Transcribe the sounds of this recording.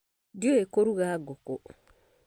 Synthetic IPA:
dioekoɾuɣaɡɔko

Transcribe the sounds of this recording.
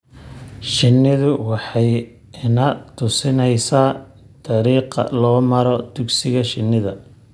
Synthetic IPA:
ʃɪnːɪðʊwɑħɑj | ɪnɐt̪ʰʊsɪnɛjsaː | t̪ʰɑɾiːqɐ̰lɔːmɐɾɔd̪̥ʊɡsɪɣɐʃɪnːɪðɐ

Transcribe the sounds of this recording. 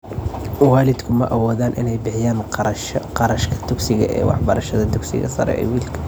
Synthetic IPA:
waːlɪd̪kʰʊmɐʔɐwɔːðaːnʔɪnɛjbɪħɪjaːnʃqɑɾɐʃkʰɐ̥d̪ʊɡsɪɣɐʔɛ̰ːwɑ̰ħbɐɾɐʃɐðɐd̪ʊɡsɪ̰ɣɐ̰sɐ̰ɾɛ̰ʔɛ̰ːwiːlkʰɐ̥

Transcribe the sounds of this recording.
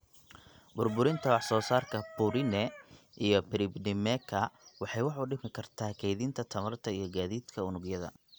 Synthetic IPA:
bʊrbʊɾɪnt̪ʰɐwɑħsɔːsaːrkʰɐpʊɾɪnɛ | ʔijɞpɪɾɪbdɪmɛkʰɐwɑħɑjwɑħʊɖɪmɪkʰɐrt̪ʰaːkʰɛjðint̪ʰɐt̪ʰɐmɐrt̪ʰɐijɞɡaːðiːd̪kʰɐʊnʊɡjɐðɐ̰

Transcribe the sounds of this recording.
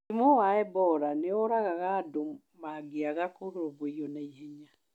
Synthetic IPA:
imowaɛbɔɾaneɔɾaɣaɣaːdo | maɡeaɣakoɾoβwejɔnaihɛɲa

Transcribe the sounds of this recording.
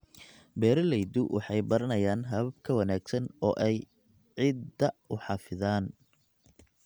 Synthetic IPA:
bɛːɾɐlɛjd̪ʊwʔɑ̰ħɑjbɐɾɐnɐjaːnɦɐβɐb̚kʰɐwɐnaːɡsɐnɔːʔɛj | ʕɪd̪ɐʊħɑfɪðaːn

